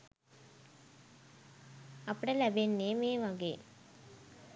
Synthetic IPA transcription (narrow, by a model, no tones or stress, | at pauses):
ɐpːɐɽɐlɐbenːeːmeːʋaːɡḛː